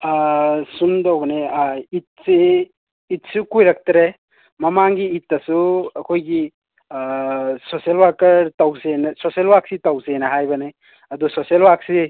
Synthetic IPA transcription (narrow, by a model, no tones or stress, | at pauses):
sundowbɐneit̚siː | t̚sukujɾak̚tɾe | mɐmaŋɡiːt̚ːɐsuɐkʰojɡi | soselwakɐɾtawsenɐsoselwak̚sitawsenɐɦajbɐne | ɐdusoselwak̚si